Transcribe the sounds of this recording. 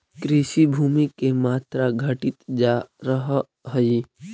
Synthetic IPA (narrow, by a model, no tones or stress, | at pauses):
kɾiʃibʱuːmikemaːt̪ɾaɡʱəʈɪt̪d͡ʒaɾəɦ | ɦəi